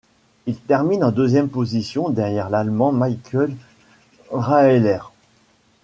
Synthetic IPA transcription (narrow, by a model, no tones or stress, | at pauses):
ilt̪ɛʁminɑ̃d̪øzjɛmpozisjɔ̃d̪ɛʁjɛʁlalmɑ̃majkʲʰœl | ʁaelɛʁ